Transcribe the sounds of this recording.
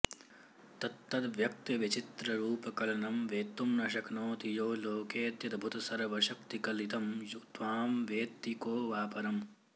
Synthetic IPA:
t̪ɐt̪ːɐd̪ʋjɐk̚t̪ɐʋit͡ʃit̪ɾɐɾuːpɐkɐlɐnɐmʋeːt̪ːumnɐʃɐknoːt̪ijoːloːkeːt̪jɐd̪bʱut̪ɐsɐɾʋɐʃɐk̚t̪ikɐlit̪ɐmjud̪ʋaːmʋeːt̪ːikoːʋaːpɐɾɐm

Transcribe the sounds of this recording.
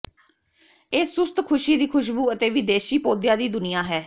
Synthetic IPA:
eːsʊst̪kʰʊʃiːd̪iːkʰʊʃ̬buːət̪eːʋiːd̪eːʃiːpoːd̪jaːd̪iːd̪ʊnɪjaːɦɛː

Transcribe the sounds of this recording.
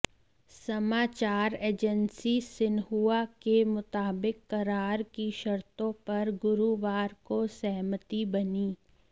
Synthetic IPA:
sɐmaːt͡ʃaːɾeːd͡ʒənsisɪnɦuakemʊt̪aːbɪkːɐɾaːɾkiʃɐɾt̪õpɐɾɡʊɾuʋaːɾkosɛɦmət̪ibɐniː

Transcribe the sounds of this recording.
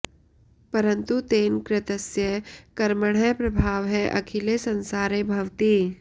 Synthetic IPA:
pɐɾə̃nt̪ut̪eːnkɾɪt̪əsjəkɐɾməɽ̤əjpɾɐbʱaːʋɦɛʔɐ̰kʰɪlesə̃nsaːɾẽbʱɐʋt̪iː

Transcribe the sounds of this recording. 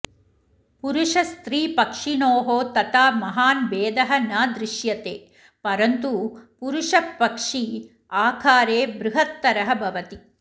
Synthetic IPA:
puɾuʂɐst̪ɾiːpɐkʂinoːɦoːt̪ɐt̪aːmɐɦaːnʋeːd̪ɐɦɐnaːd̪ɾɪʃjɐt̪eː | pɐɾɐnt̪upuɾuʂɐpːɐkʂi | aːkʰaːɾeːbɾɪɦɐt̪ːɐɾɐɦɐbʱɐʋɐt̪i

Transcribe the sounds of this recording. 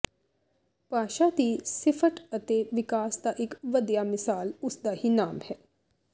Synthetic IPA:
paːʃad̪isɪfʰəʈɐt̪eʋɪkaːsd̪aʔɪkʋɐd̪jamɪsaːlʊsd̪ahinaːmhɛː

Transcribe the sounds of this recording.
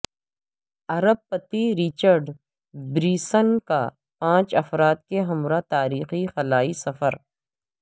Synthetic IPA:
ɐɾəb̚pɐt̪iɾit͡ʃəɾɖ | bɾiːsənka̰ | pãːt͡ʃɐfɾaːt̪̚keɦɐmɾat̪aːɾiːxixɐlaːisɐfəɾ

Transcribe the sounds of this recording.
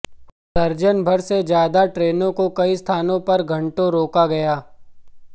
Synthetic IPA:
sɐɾd͡ʒənbʱɐɾsed͡ʒjaːd̪aʈɾeːnõkokɐist̪ʰaːnõpɐɾɡʱɐ̃ɳʈõɾoːkaɡɐjaː

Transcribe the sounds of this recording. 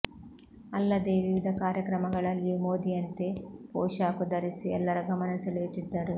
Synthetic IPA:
ɐlːɐd̪eːʋiʋid̪ʱɐkaːɾjɐkɾɐmɐɡɐɭɐljimoːd̪iɐnt̪eːpoːʃaːkud̪ɐɾisiɛ̰lːɐɾɐɡɐmɐnɐsileːt̪id̪ːɐɾu

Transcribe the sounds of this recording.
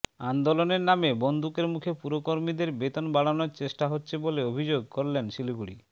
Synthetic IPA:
and̪oloneɾnamebond̪ukeɾmukʰepuɾokoɾmid̪eɾbet̪onbaɽanoɾt͡ɕeʃʈaɦotːɕʰeboleobʱid͡ʑoɡ̚koɾlenʃiluɡuɽi

